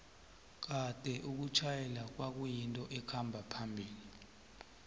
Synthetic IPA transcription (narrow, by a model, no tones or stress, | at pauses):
k̬ad̥ʱɛʔuk̬ut͡ʃʰajɛlak̬wak̬ujintʼɔʔɛkʰambʱapʰambʱiːli